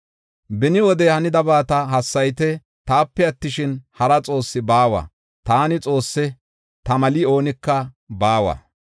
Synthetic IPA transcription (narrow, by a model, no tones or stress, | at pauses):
bɪnɪwɔd̪ɛhɐnɪd̪ɐbaːt̪ɐɦɐsːɐjt̪ɛ | t̪aːpːɛɐt̪ːɪʃɪnhɐɾɐt͡sʼo̞ːsːɪbaːwɐ̰ | t̪aːnɪt͡sʼo̞ːsːɛ | t̪ɐmɐlio̞ːnɪkːɐ | baːwɐ̰